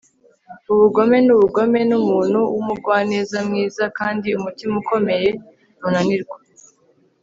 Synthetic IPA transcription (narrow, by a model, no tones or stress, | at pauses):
uβuɡo̞me̞nuβuɡo̞me̞numuːnhuwumuɾɡwaːne̞ːzamŋiːzakaːndiumutimuko̞me̞je̞ | munaniɾɡwa